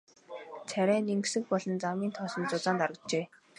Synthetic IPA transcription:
t͡sʰæɾʲæːniŋksɘ̆k̚pɔɮɞ̆nt͡samiːnt̪ʰɔsɞ̆nt͡sʊt͡saːnt̪aɾə̆t͡ɕeː

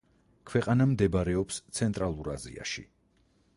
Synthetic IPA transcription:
kʰwɛqʼanamd̪ɛbɾɛɔpst̪sʰɛnt̪ʼɾalˠuɾazḭa̰ʃḭ

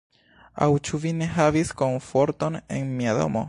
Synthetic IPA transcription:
a̰wt͡ʃuvine̞ɦavisko̞ɱfo̞ɾto̞ne̞nmiado̞̰mo̞̰

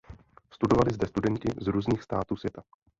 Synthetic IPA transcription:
st̪udo̞valɪzdɛst̪udɛnt̪ɪzɾuːzɲiːxst̪aːt̪uːsvjɛt̪a

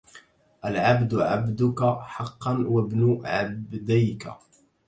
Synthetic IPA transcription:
ʔalʕabd̪ʕabd̪ʊkaħɑqːɑnwabnʊʕabd̪ajka̰

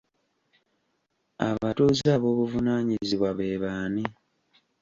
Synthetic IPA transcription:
a̰βatuːzaβo̞ːβuvunaːɲiziβwaβeːβaːni

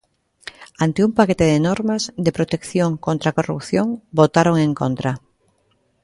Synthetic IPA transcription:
ant̪ɪumpaket̪eðɪnoɾmazðepɾot̪ekθjoŋkont̪ɾakorṵpθjoŋbot̪aɾoŋẽŋkont̪ɾa

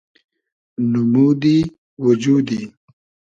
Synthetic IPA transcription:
numud̪i | wud͡ʒud̪i

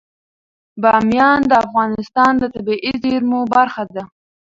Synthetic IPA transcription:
bɑmjɑnd̪əafɣɑnɪst̪ɑnd̪ət̪abiʔizeɾmobaɾxad̪a

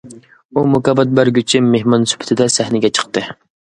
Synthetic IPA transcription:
umʊkɑbɑt̪̚bæɾɡʲyt͡ʃʰɪmehmɑnsy̥pʰɪ̥t̪ʰɪd̪ɛsæhnɪɡʲɛt͡ʃʰə̥qt̪ɨ

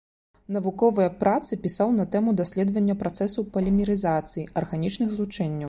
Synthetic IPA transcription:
nɐvukɔvɨjɐpɾat̪sɨpʲisawnɐt̪ɛmud̪asʲlʲɛd̪vɐnʲːɐpɾat̪sɛsupɐlʲɛmʲɛɾɨzat̪sɨjiʔɐrɣanʲit͡ʂnɨxzlˠut͡ʂɛnʲːɐw

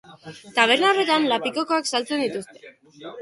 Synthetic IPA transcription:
t̪aβ̞e̞ɾnaore̞t̪anlapiko̞ko̞aksalt͡se̞nd̪it̪ust̪e

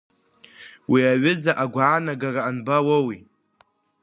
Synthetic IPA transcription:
wiaɥʊzlaʔaɡʷaːnaɡaraːnbawawi

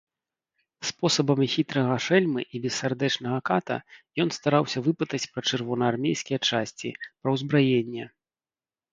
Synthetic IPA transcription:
spɔsɐbɐmʲxʲit̪ɾɐɣɐʂɛlʲmɨ̰ʔibʲɛsːʲard̪ɛt͡ʂnɐɣɐkat̪ɐ̰jɔn̪st̪aɾawsʲɐvɨpɨt̪ɐt͡sʲpɾɐt͡ʂɨrvɔnɐarmʲejsʲkʲijɛt͡ʂasʲt͡sʲḭpɾɐwzbɾajenʲːɛ

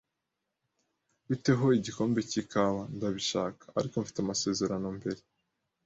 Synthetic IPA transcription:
βite̞ɦo̞iɟiko̞ːmbecikʰaβandaβiʃaːkḁːɾikoɱfi̥teamase̞ːze̞ɾano̞mbe̞ɾe̞

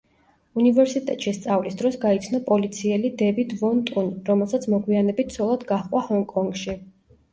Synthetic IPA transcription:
univɛɾsit̪ʼɛ̰t̪ʼʃist̪sʼavlisd̪ɾɔsɡait̪sʰnɔpʼɔlit̪sʰiɛlid̪ɛvid̪vɔnt̪ʼunɾɔmɛlˠsat̪sʰmɔɡwianɛbit̪ʰsʰɔlˠad̪ɡaχqʼwahɔŋkʼɔŋɡʃi

